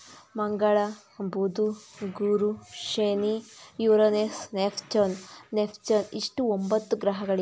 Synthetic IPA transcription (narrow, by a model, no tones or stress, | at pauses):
mɐŋɡɐɭɐ | bud̪uɡuɾuʃeːnijuːɾonesnepʰt͡ʃonːepʰt͡ʃoniʂʈuombɐt̪ːuɡɾɐɦɐɡɐɭi